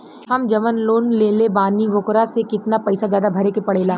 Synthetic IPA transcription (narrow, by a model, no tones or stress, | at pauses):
hɐmd͡ʒɐmənloːnleːlebaːniʋoːkɾasekɪt̪napɐɪsazjaːd̪abʱɐɾekepɐɽeːlaː